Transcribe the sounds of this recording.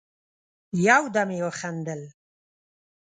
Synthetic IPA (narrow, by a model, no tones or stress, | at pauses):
jawd̪amewoχand̪əl